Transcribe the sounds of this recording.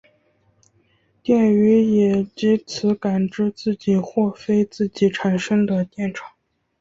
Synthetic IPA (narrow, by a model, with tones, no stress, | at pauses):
t̪jɛ˥˩ny˧˥jɛ˨˩t͡ɕi˧˥t͡sʰɹ̩˧˥ka˨˩nʈ͡ʂɻ̩˥˧t͡sɹ̩˥˩t͡ɕi˨˩xwɔ˥˩fe˥ɪt͡sɹ̩˥˩t͡ɕi˨˩ʈ͡ʂʰa˨˩nʂɤ˥ŋd̪ə˨t̪jɛ˥˩nʈ͡ʂʰɑ̥˨˩˦ŋ